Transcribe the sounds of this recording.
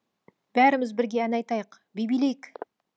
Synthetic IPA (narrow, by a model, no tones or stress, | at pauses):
b̥æɾɪmɪzbɪɾɡʲe̞ænɑjt̪ɑjəq | bejbijlejk